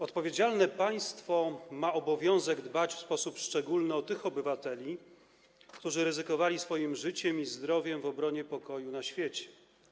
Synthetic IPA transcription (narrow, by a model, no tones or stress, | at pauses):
ɔt̪pɔvʲjed͡ʑalnɛpaj̃st̪fɔmaɔbɔvʲjɔ̃w̃zɛɡd̪bat͡ɕfspɔsupʂt͡ʂɛɡulnɘɔt̪ɘxɔbɘvat̪ɛlʲi | kt̪uʐɘɾɘzɘkɔvalʲisfɔjimʐɘt͡ɕɛmizd̪ɾɔvʲjɛmvɔbɾɔɲɛpɔkɔjunaɕfʲjet͡ɕɛ̥